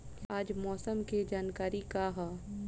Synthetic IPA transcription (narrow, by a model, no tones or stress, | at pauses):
aːd͡ʒmɔːsəmked͡ʒaːnkaːɾikaɦaː